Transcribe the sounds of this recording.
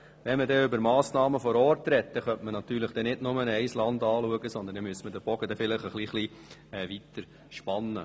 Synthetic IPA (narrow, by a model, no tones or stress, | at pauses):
ʋɛnmədɛʏbəɾmɑːsnɑːməfɔɾɔːɾtɾɛt̚t̪ɛχœntmənɑt̪yːɾlɪχd̥ɛnɪdnʊmənæɪslɑnd̪ɑːluəɡəsɔndəndɛmyəstmədəb̥ɔɡ̥ədɛfɪləχəχliːχli | ɛʋit̪əɾ | ʃpɑnːə